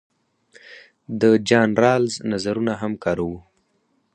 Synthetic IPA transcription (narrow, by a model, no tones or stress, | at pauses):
d̪əd͡ʒɑnɾɑlznazaɾunaɦamkɑɾawu